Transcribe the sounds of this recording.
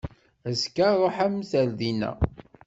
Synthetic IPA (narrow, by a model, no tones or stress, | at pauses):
æskaɾˤoħæmθælðinæ̰